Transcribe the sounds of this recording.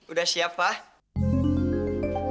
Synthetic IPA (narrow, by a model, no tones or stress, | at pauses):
udahsiapa